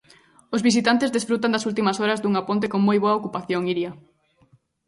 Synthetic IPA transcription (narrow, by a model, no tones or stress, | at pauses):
ozβisit̪ant̪ezðesfɾut̪and̪ɐsult̪imɐsoɾɐzd̪uŋapont̪̬ekoŋmojβoɐokupaθjoŋiɾjɐ